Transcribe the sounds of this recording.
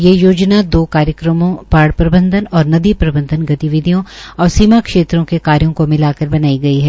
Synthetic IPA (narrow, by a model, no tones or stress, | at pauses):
jejoːd͡ʒnad̪oːkaːɾjəkɾəmõpaːɽpɾɐbə̃nd̪ʱənɔːɾnɐd̪ipɾɐbə̃nd̪ʱənɡɐt̪iʋɪd̪ʱijõɔːɾsimakʃeːt̪ɾõkekaːɾjõkomɪlaːkəɾbɐnaːiɡɐiɦɛː